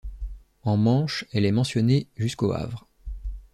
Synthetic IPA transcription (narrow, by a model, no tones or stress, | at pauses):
ɑ̃mɑ̃ʃɛlɛmɑ̃sjɔneʒyskoa̰vʁ